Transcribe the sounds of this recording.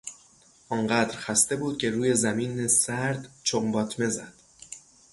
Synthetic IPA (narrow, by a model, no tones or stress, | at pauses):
ʔɒːnɢæːd̪ɾxæst̪e̞buːd̪̥̚cʲʰe̞ɾuːje̞zæmiːnesæɾd̪t͡ʃʰombɒːt̪ʰme̞zæd̪̥